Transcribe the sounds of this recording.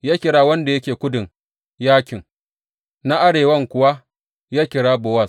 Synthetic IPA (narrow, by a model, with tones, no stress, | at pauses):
jaː˦kʲɪ˨ɽaː˦wɐ˦nda˨jɐ˦kʲeː˨kʷʊ˦dɪ˨ŋ | jaː˦kʲɪ˨ŋ | na˦ʔa˦ɽeː˨wɐ˦ŋkʷʊ˨wa˦ | jaː˦kʲɪ˨ɽaː˦bʊ˨wɐ˦˨s